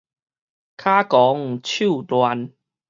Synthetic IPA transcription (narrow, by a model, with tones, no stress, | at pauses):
kʰa˦kɔ˨˦ŋt͡ɕʰju˥˧˨t̪wa˧n